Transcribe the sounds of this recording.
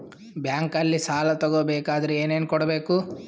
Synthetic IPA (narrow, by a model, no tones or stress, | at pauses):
bjaːŋkɐlːisaːlɐt̪ɔɡobɛːkaːd̪ɐɾeeːneːnkɔɽɐbeːku